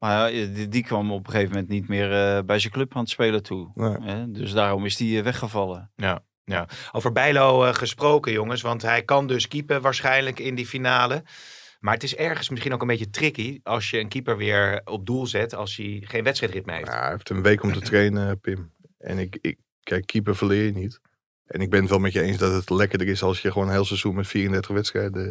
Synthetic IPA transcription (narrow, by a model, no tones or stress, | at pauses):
majadikʋɑmɔpəχejvəmɛ̃ntnitmɪːɹəbɛjzəkløpaːntspeːlətʰuɦɛdøsdaːrɔmɪsdiʋɛχəvɑlˠəja | aowvəɹbɛjlowχəsprowkəjoŋəsʋɑntɦɛjkɑndɵskipəʋaːɹsχɛjnləkɪndifinaːlə | maːɹətɪsɛɹχənsmɪsχinoʊkənmbejətrɪkiɑlˠsjəənkipəɹʋɪːɹɔb̚dulˠzɛtɑlˠsjəχejnʋɛtstrɛjtrɪt̚mḛːɦḛjfɪftənʋejkɔmtətreːnəpɪm | ʔɛ̰nɪkɪ | kɛjkʰːipəfəlɪəjənit | ʔɛ̰nɪɡ̚bɪnətʋɛlˠmɛtjəejnsdɔtətlɛkədərɪsɑlˠsjəχʋoːnənɦeːlˠsəzunmɛtfiːrəndɛɹtəχʋɛtstrɛjdə